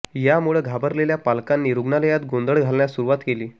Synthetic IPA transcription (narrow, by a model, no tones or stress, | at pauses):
jamuɭəɡʱabəɾleljapalkanːiɾuɡnaləjat̪̚ɡond̪əɭɡʱalɳjasuɾuʋat̪keliː